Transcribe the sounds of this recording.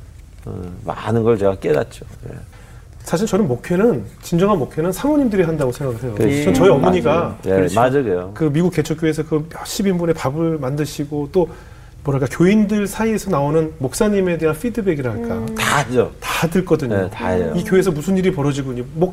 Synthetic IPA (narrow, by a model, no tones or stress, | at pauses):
ɯ̰ma̰nɯnɡʌɭt͡ɕeɡak͈eda̰t̚t͡ɕ͈ojḛ | sʰaɕ̬ʰiɭt͡ɕʌnɯnmokʰe̞nɯnt͡ɕind͡ʑʌŋɦanmokʰe̞nɯnsʰaŋʌɲimdɯɾiɦandaɡosʰe̞ŋɡaɡɯɭɦe̞joʌt͡ɕʌiʌmoɲiɡaad͡ʑaɡejokɯmiɡuk͈̚ːe̞t͡ɕʰok͈joesʰʌkɯɕʰibimbune̞pabɯɭmandɯɕʰiɡot͈o | mʌnɦaɭk͈akjoindɯɭsʰaie̞sʰʌnaonɯnmok̚s͈aɲime̞de̞ɦanfʰidɯbe̞ɡiɾɯɭɦaɭk͈atad͡ʑotatɯɭk͈ʌdɯɲotaḛikjoe̞sʰʌmusʰɯniɾipʌɾʌd͡ʑiɡuɲomo